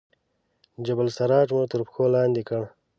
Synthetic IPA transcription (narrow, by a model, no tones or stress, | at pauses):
d͡ʒabalsaɾɑːʈmut̪əɾpxolɑːnd̪ikəɳ